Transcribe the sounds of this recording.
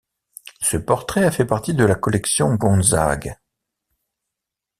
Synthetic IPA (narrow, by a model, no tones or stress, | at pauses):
səpɔʁt̪χɛafɛpaʁt̪id̪əlakɔlɛksjɔ̃ɡɔ̃za̰ɡ